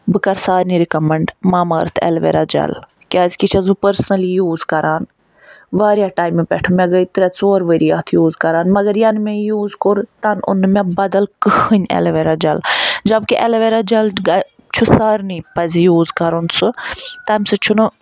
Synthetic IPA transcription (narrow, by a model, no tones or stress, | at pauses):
bɨkɐɾsaːɾniɾikɐmɐɳɖmaːmɐːɾt̪ʰɛ̰lʋḛːɾaːd͡ʒɐ̰l | kʲaːzʲkit͡ʃʰɐzɨpəɾsnɐlijuːzkɐɾaːn | ʋaːɾijaːʈaːjmepʲɛʈʰumɛ̃ɡəit̪ɾɛt͡soːɾʋəɾiːaːt̪ʰjuːzkɐɾaːnmɐɡɐɾjɐnmɛ̃juːzkoɾt̪ɐnʊ̰nmɛ̃bɐd̪ɐlkɨhɨɲɛ̰lʋeɾad͡ʒɐld͡ʒɐbkiʔɛlʋeɾad͡ʒɐlɡa | t͡ʃʰusaːɾnipɐzʲjuːzkɐɾunsɨt̪aːmsɨt͡ʃʰunu